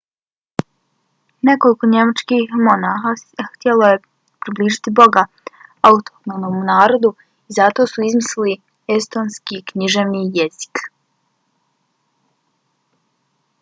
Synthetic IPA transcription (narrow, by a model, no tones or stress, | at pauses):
ne̞ko̞liko̞ɲe̞mat͡ʃkixmo̞naːxaxt̪jeloje̞ | pɾibliːʒit̪ibo̞ɡa | aut̪oknonomunaːɾo̞d̪u | izat̪o̞suizmisili | e̞st̪o̞nskikɲiʒeʋnijezi̥k